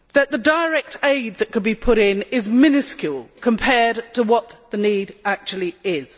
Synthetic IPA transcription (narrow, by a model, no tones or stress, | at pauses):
ðəʔ̪̚ðədəɹɛk̚tʰeɪd̪̚ðəʔkənbipʰʊɾɪ̃nɪzmɪ̃nəskjulˠkʰə̃mpʰɛːdtʰəwɒʔ̪ðəniːdak̚t͡ʃul̩ˠiɪz̥